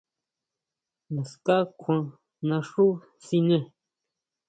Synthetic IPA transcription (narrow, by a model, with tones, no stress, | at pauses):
nã˨ska˦kʷʰã˧ | nã˧ʂu˦ | si˧nẽ˧˨